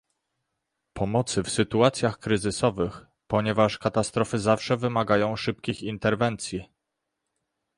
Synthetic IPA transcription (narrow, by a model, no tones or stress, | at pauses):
pʰɔmɔt̪sɘfsɘt̪uat̪sʲjaxkɾɘzɘsɔvɘx | pɔɲɛvaʂkat̪ast̪ɾɔfɘzafʂɛvɘmaɡajɔ̃w̃ʂɘp̚kʲixint̪ɛɾvɛnt̪sʲji